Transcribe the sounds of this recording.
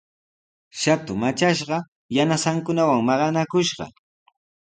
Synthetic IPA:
ʃat̪ʊmat͡ʃaʃɢɑ | janasaŋkʊnawaŋmɑɢɑnakʊʃɢɑ̰

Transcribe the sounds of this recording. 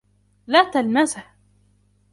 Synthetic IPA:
lat̪almazaħ

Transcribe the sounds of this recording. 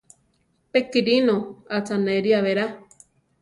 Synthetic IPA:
pekiɾinoat͡saneɾiaβeɾa

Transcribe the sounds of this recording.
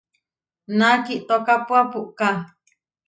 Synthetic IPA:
nakiʔt̪okapuapuʔka

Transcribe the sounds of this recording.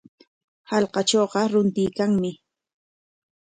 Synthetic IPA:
hɑlqɑt͡ʃoːɢɑɾʊnt̪ɪjkaŋmɪ

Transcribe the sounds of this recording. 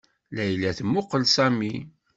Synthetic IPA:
læjlæθmːʊqəlsæmi

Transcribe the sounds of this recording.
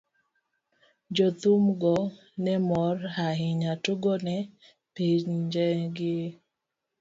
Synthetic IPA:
d͡ʒɔt̪umɡɔ | nɛmɔrhaɦɪɲatʊɡɔnɛ | piɲd͡ʒɛɡɪ

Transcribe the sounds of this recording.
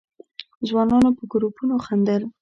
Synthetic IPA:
zwɑnɑnopəɡɾupunoxand̪əl

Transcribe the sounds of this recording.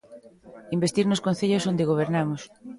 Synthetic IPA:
imbest̪iɾnoskonθeʎosond̪eɣ̞oβ̞eɾnamos

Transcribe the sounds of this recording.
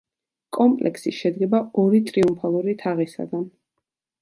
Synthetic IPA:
kʼɔmpʼlʔɛ̰ksiʃɛd̪ɡɛbaɔɾit̪ʼɾiumpʰalˠuɾit̪ʰaʁisa̰d̪an

